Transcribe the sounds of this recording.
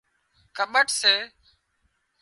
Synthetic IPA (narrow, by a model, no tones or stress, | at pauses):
kʰəɓəʈseː